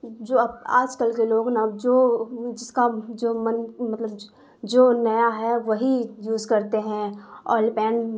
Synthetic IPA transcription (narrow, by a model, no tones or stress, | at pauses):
d͡ʒoːa̰ːd͡ʒkəlkeloːɡnad͡ʒoːd͡ʒɪskad͡ʒoːmɐnmɐt̪ləb | d͡ʒoːnɐjaɦɛʋɐɦijuːzkɐɾt̪eɦɛ̃ɔ̰ːɾlɪpɛːn